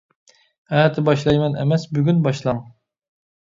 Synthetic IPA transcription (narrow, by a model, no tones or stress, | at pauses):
ɛt̪ʰɪbɑʃlˠɑjmɛnɛ̰mɛsbyɡʲynbɑʃlˠɑŋ